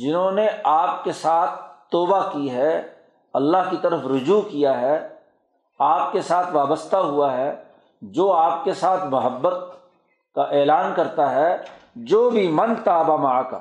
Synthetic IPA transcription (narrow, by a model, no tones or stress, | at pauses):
d͡ʒɪnɦõneaːp̚kesaːt̪ʰt̪ːɔːbakiɦɛ | ɐlːaɦkit̪ɐɾəfɾʊd͡ʒuːkijaɦɛ | aːp̚kesaːt̪ʰʋaːbəst̪ʰaɦuaɦɛ | d͡ʒoːaːp̚kesaːt̪ʰmɐɦəbːət̪̚ | kaʔɛːlaːnkɐɾt̪aɦɛd͡ʒoːbʱimɐ̃nt̪aːbamaka̰